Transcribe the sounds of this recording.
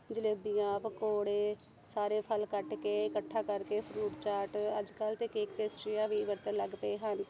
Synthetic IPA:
d͡ʒɪleːbijãːpəkoːɽeː | saːɾeːpʰəlkəʈkeːɪkəʈʰːaːkəɾkeːpʰɾuːʈt͡ʃaːɾʈəd͡ʒkəlt̪eːkeːkpeːsʈɾɪjãːʋiːʋəɾt̪ənləɡt̪eːɦən

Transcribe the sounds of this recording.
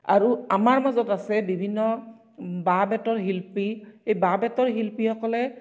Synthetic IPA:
a̰ɹuamaɹmazɔtasɛbibʱinːɔ | babɛtɔɹɦilpixejbabɛtɔɹɦilpixɔkɔlɛ

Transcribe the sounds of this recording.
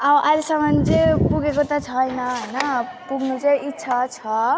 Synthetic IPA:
ʌbʔajlesʌmʌnd͡zepuɡekot̪ʌt͡sʰʌjnʌɦʌjnʌpuɡʱnut͡seitːsʰat͡sʰʌ

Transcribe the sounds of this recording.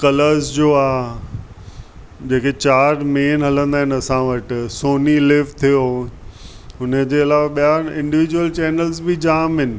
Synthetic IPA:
kɐləɾzd͡ʑoːaː | d͡ʑeːket͡ɕaːɾmeːnɦɐlə̃nd̪aːɦɪ̃nɐsãʋɐʈsoːnilɪʋt̪ʰijo | ʊnəd͡ʑeːɪlaːʋaɓijaːɪ̃ɳɖɪʋɪd͡ʑuwəlt͡ɕɛːnəlzbɪd͡ʑaːmɦɪnɪ̆

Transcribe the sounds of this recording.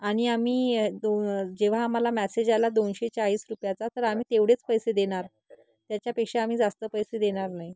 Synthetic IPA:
aɽ̃iamiːd̪od͡ʑeʋ̤aːm̤alamæsed͡ʑalad̪onɕet͡saɦiːsɾupjat͡sat̪əɾam̤iːt̪eʋɽ̤et͡spəjsed̪eɽ̃aɾ | t̪jat͡ɕjapekʂeam̤iːd͡zast̪əpəjsed̪eɽ̃aɾnaɦi

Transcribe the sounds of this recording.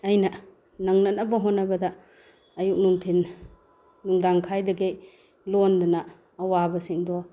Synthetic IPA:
ɐjnɐ | nɐŋnɐnɐbɐɦonːɐbɐdɐ | ɐjuk̚nuŋtʰinː | uŋdaŋkʰajdɐɡej | londɐnɐː | wabɐsiŋdɔ

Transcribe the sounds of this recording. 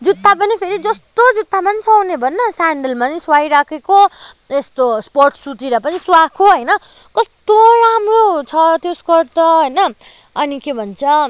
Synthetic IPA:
d͡zut̪ːapʌnipʰeɾid͡zʌst̪od͡zut̪ːamant͡sʰʌwnebʱʌnːʌsaɳɖʌlmaniswajɾakʰeko | est̪osporʈʰsuʈiɾʌpʌniswakʰoɦʌjnʌ | kʌst̪oɾamrot͡sʰʌt̪joskʌrt̪ʌɦʌjnʌː | nikebʱʌnt͡sʰʌ

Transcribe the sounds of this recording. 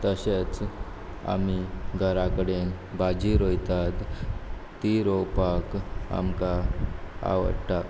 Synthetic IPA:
t̪əɕet͡s | a̰miɡʱəɾakəɽen | bad͡ʑiɾojt̪at̪ː | iɾowpaka̰mka | a̰ʋə̰ɽʈa

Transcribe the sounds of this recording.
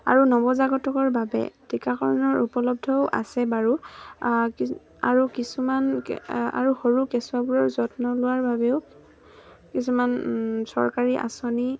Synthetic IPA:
a̰ɹunɔbɔzaɡɔtɔkɔɹbabɛ̰tʰikakʰɔɹɔnɔɹupɔlɔb̚dʱɔʊʔa̰sɛbaɹu | k | a̰ɹukisumana̰ɹuhoɹukɛsuwabuɹɔɹzɔtnɔlʊwaɹbabɛʊ | kisumansɔɹkaɹiʔa̰sɔni

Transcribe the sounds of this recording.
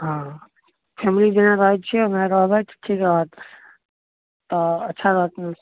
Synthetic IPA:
ɦã | pʰɛmilid͡ʒenaɾəɦ̪t͡ʃʰɛmeɾəɦbɛt͡ʃʰʈʰikɾəɦət̪ | ɔətːʃʰaɾəɦət̪n

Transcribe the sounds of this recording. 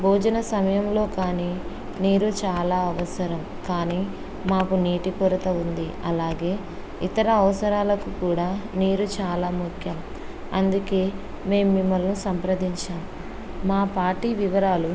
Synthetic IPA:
bʱoːd͡ʒɐnɐsɐmɐjɐmlo̞ːkaːniː | niːɾut͡ʃaːlaːɐʋɐsɐɾɐm | kaːniː | maːkuniːʈikuɾɐt̪ɐund̪iɐlaːɡe̞ː | it̪ɐɾɐːʋɐsɐɾaːlɐkukuːɽaːniːɾut͡ʃaːlaːmukʰjɐm | ɐnd̪uke̞ː | me̞ːmːimːɐlnusɐmpɾɐd̪iɲt͡ʃaːmː | aːpaːɾʈiːʋiʋɐɾaːlu

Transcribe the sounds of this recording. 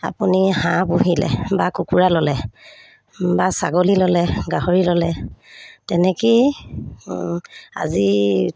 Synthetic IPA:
a̰punihãbuɦilɛ̰bakukuɹalɔlɛ | basa̰ɡolilɔlɛɡaɦoɹilɔlɛ | tɛnɛki | a̰zi

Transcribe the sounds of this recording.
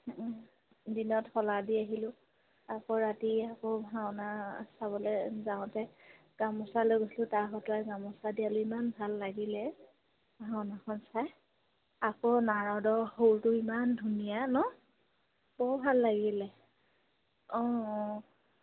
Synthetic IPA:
dinɔtxɔladiaɦilʊ | akɔɹatiakɔbʱawnasaβɔlɛzaʊ̃tɛ | ɡ̥amɔsalojɡoslʊ̃taɹɦɔtʊaɡamɔsadialʊimanbʱalːaɡilɛ | bʱaʊnakʰɔnsaj | akɔnaɹɔdɔhowtʊimandʱunijanɔ | b̥ɔɹbʱalːaɡilɛ | ɔ̃

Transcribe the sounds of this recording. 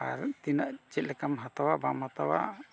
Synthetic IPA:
aɾt̪inaʔt͡ʃɛt̪̚lɛkamɦat̪awabamhat̪awa̰

